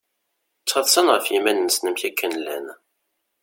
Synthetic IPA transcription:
t͡sːʁɑðˤsənʁəfjimænnːəsnəmçækːənlæ̰n

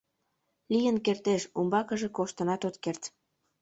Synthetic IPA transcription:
lijənkert̪eʃumbɑkəʒekoʃt̪ə̆nɑt̪ot̪kert̪

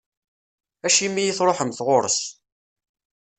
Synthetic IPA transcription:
æʃimːijiθɾˤoħəmθʁoɾəs

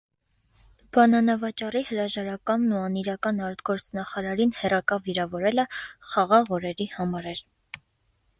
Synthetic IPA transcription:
b̥ɑnɑnɑvɑt͡ʃɑrihəɾɑʒɑɾɑkɑnːuɑniɾɑkɑnɑɾd̪ɡɔɾt͡sʰnɑχɑɾɑɾinhɛrɑkɑviɾɑvɔɾɛləχɑʁɑʁɔɾɛɾihɑmɑɾɛɾ

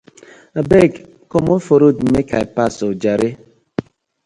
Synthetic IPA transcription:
abek | komofoɾodm̩mekaepasod͡ʒaɾe

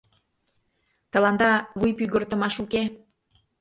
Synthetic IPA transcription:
t̪ə̆lɑnd̪ɑβujpyɣə̆rt̪ə̆mɑʃuke

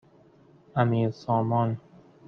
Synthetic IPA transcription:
amiːɾsɔːmɒːn

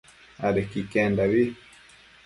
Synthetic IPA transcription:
aɗɛkikɛndaβi

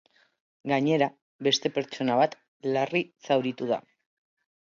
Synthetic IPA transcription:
ɡaɲe̞ɾa | βe̞st̪e̞pe̞ɾt͡ʃo̞naβat̪ | larisawɾit̪uða̰

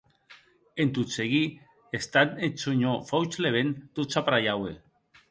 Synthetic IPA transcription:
ent̪ut͡seɣi | est̪anet͡soɲofawt͡ʃleβent̪ut͡sapɾajawe

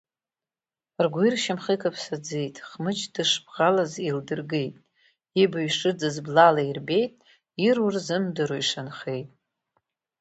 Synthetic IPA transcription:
rɡʷirʃamχikʰʼapʰsad͡zejtʼχmɨt͡ʃʰdɨʂbʁalazildɨrɡejtʼ | ibaɥʂɨd͡zɨzblalairbejtʼ | irurzɨmdɨɾojʂanχejtʼ

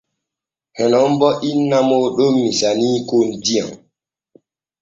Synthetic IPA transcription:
hɛnɔmbɔʔinːamoɗomːisanikondia̰ŋ

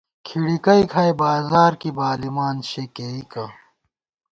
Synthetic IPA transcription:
kʰiɽikɐikʰɐːjbaːzaːɾkibaːlimaːnɕekeːikɐ

